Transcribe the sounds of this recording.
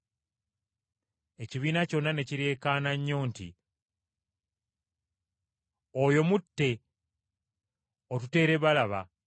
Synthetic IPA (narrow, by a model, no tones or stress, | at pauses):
e̞ciβiːnaco̞nːane̞ciɾe̞ːkaːnaɲːo̞ːntḭ | ojo̞mutːe̞ | otute̞ːɾe̞βalaβa